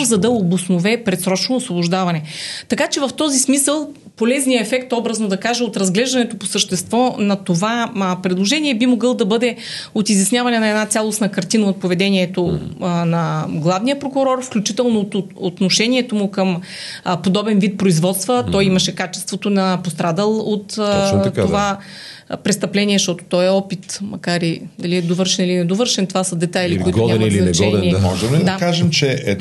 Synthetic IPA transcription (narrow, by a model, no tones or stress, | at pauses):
zɐd̪ɐoblˠosnovɛpɾɛt̪sɾɔt͡ʃnoːsvoboʒd̪avɐnɛt̪ɐkat͡ʃɛvɐft̪ɔzismisəlˠ | polɛznijəɛfɛkt̪ɔbɾəznod̪ɐkaʒɐot̪ɾɐzɡlɛʒd̪ɐnɛt̪oposəʃt̪ɛst̪vɔnɐt̪ovapɾɛd̪lˠoʒɛniɛbimoɡɤlˠd̪ɐbɤd̪ɛot̪izʲjɐsnʲjavɐnɛnɐɛd̪nat̪sʲjalˠosnɐkɐɾt̪inɐot̪̚povɛd̪ɛniɛt̪onɐɡlˠavnijəpɾokuɾɔrfklʲut͡ʃit̪ɛlˠnoot̪noʃɛniɛt̪omʊkəm | pod̪ɔbɛnvit̪̚pɾoizvɔt̪st̪vət̪ɔjiməʃɛkat͡ʃɛ̥st̪vot̪onɐpost̪ɾad̪əlˠot̪t̪ova | pɾɛst̪ɐplɛniɛʃt̪ɔt̪o̥t̪ɔɛɔpit̪mɐkaɾid̪ɐliɛd̪ovɤɾʃɛnilinɛd̪ovəɾʃɛnt̪ovasəd̪ɛt̪ajilikʊitɡ̪ɲamlit͡ʃɛnnimɔ̰ʒɛmlid̪akaʒɛmt͡ʃɛɛ